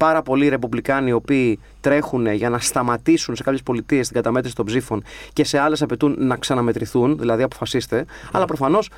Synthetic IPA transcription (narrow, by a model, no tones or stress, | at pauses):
pɐɾɐpo̞liɾe̞puvlikɐnio̞piː | t̪ɾe̞xune̞ʝɐnɐst̪ɐmɐt̪isunse̞kɐpçespo̞lit̪ist̪iŋɡɐt̪ɐmet̪ɾisit̪obzifo̞nce̞se̞ɐle̞sɐpe̞t̪unːɐksɐnɐme̞t̪ɾiθunðilɐðiɐpo̞fɐsist̪e̞ɐ̰lɐpɾo̞fɐno̞s